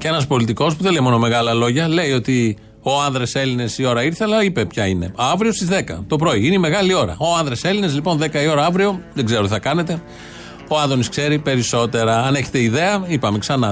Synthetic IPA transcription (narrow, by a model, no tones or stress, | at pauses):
cee̞nɐspo̞lit̪iko̞spuðelejmo̞no̞me̞ɣɐlɐlo̞ʝɐle̞io̞t̪i | o̞ɐnðɾese̞line̞sio̞ɾɐiɾθe̞lɐipe̞pçɐine̞ɐvɾio̞st̪izðe̞kɐ̰t̪o̞pɾo̞iineime̞ɣɐlio̞ɾɐ̰oɐnðɾese̞linezlipo̞nðe̞kɐio̞ɾɐɐvɾio̞ðeɡze̞ɾo̞t̪iθɐkɐne̞t̪e̞ | oɐðo̞niskse̞ɾipe̞ɾiso̞t̪e̞ɾɐɐne̞çe̞̥t̪e̞iðe̞ɐipɐme̞ksɐnɐ